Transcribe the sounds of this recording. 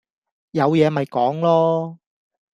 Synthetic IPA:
jɐ˨˧wjɛː˨˧mɐ˨jkɔː˨˥ŋlɔː˥

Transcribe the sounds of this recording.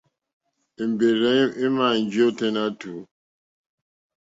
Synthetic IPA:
i˨m̩˨be˨ɾɛ˨˦mi˦ma˨n̩˨d͡ʒi˦o˦te˦na˦tu˨

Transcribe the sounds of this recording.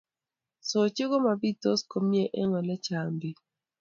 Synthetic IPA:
so˨t͡ʃɪ˦ɡɔ˦ma˨bi˦to˦sko˨mje˦ʔɛ˦ŋɔ˨lɛ˦t͡ʃa˨mbi˨

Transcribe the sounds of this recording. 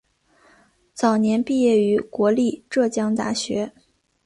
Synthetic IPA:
t͡sɑ˨˩ʊnjɛ˧˥npi˥˧jɛ˥˩y˧˥kwɔ˧˥li˥˧ʈ͡ʂɤ˥˩t͡ɕjɑ˥ŋt̪a̰˥˩ɕɥɛ˧˥

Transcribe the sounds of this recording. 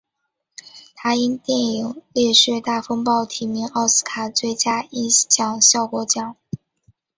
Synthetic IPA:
t̪ʰa˧˥i˥nt̪jɛ˥˩ni˧˥ŋlɛ˥˧ʂɻɛ˥˧t̪a˥˩fɤ˥ŋpɑ˥˩ʊt̪ʰi˨˩mi˧˥ŋɑ˥˩ʊsɹ̩̥˥kʰa˨˩t͡swe˥˩ɪt͡ɕja˥i˥nt͡ɕjɑ˨˩ŋɕjɑ˥˩ʊkwɔ˧˥t͡ɕjɑ˨˩˦ŋ

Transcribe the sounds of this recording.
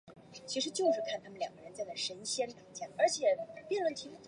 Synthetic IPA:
t͡ɕʰi˧˥ʂ̬ɻ̩˧˥t͡ɕjo˥˧ʊʂɻ̩˥˧kʰa˥˩nt̪ʰa˥mə˨n˩ljɑ˨˩ŋɡə˦ɻə˧˥nt͡sɪt͡sɪʂə˧˥nɕjɛ˥npi˨˩ŋt͡ɕjɛ˥˩ʔə˞˧˥t͡ɕʰjɛ˨˩pjɛ˥˧nlwə˥˩t̪ʰi˧˥˩

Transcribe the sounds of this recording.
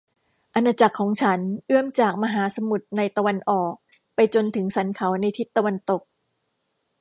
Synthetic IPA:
ʔa˧nːaː˧t͡ɕa˨˩kʰːɔː˩˦ŋt͡ɕʰa˦˥nʔɯ˥˩əmt͡ɕaː˨˩k̚ma˧ɦaː˩˦sa˧mu˨˩t̪̚na˧jt̪a˧wa˧nʔɔː˨˩k̚ | pa˧jt͡ɕo˧nt̪ʰɯ˩˦ŋsa˩˦nkʰa˩˦wna˧jt̪ʰi˦˥t̪ːa˧wa˧nt̪o˨˩k̚

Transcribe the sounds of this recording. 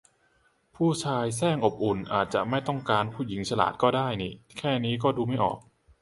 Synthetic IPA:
pʰuː˥˩t͡ɕʰaː˧jsɛː˥˩ŋʔo˨˩p̚ʔu˨˩nʔaː˨˩t̪̚t͡ɕa̰˨˩ʔma˥˩jt̪ɔ˥˩ŋkaː˧npʰuː˥˩ji˩˦ŋt͡ɕʰa˧la̰ː˨˩t̪̚kɔː˥˩daː˥˩jniː˨˩kʰɛː˥˩niː˦˥k̬ɔː˥˩duː˧ma˥˩jʔɔ̰ː˨˩k̚

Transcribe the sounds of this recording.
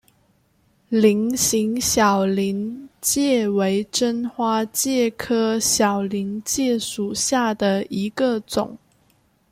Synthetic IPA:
li˧˥ŋɕi˧˥ŋɕjɑ˨˩ʊli˧˥nt͡ɕjɛ˥˩we˧˥ɪʈ͡ʂə˥nxwa˥t͡ɕjɛ˥˩kʰɤ˥ɕjɑ˨˩ʊli˧˥nt͡ɕjɛ˥˩ʂu˨˩ɕja˥˩d̪ə˨˩i˧˥ɡə˧t͡sʊ̰˨˩˦ŋ

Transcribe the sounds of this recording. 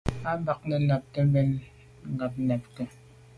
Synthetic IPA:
a˦ba˨k̚nɛ˨la˨p̚tɛ˦bɛ˦n | ŋ̩˦˨ɡa˨p̚nɛ˨p̚tɛ˦

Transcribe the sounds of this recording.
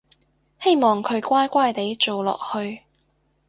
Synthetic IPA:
he˥jmɔː˨˩ŋkʰɵ˨˧ɥkʷaː˥jkʷaː˥jt̪e˨˥jt͡so˨wlɔ̰ː˨k̚hɵ˧ɥ

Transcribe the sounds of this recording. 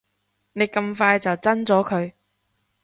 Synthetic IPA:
ne˨˧jkɐ˧mfaː˧jt͡sɐ˨wt͡sɐ˥nt͡sɔː˨˥kʰɵ˨˧ɥ

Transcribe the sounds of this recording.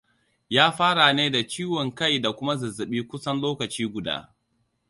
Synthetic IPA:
jaː˦ɸaː˦ɽa˨neː˦da˨t͡ʃiː˦wɔ˨ŋkɐ˦jda˨kʷʊ˦ma˦zɐ˨zɐ˨ɓiː˦kʷʊ˦sɐ˦nloː˦kɐ˨t͡ʃiː˦ɡʷʊ˨da̰ː˦

